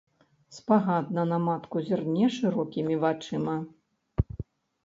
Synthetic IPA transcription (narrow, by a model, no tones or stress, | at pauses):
spaɣad̪nɐnɐmat̪kuzʲirnʲɛʂɨɾɔkʲimʲivat͡ʂɨmɐ